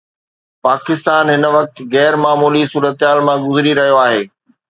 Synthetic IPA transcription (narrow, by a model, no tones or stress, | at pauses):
paːkɪst̪aːnɦɪnə̆ʋɐk̚t̪ɣɛːɾmaːmuːlisuːɾət̪ɪɦaːlmãɡʊzɾiɾɐɦijoaːɦeː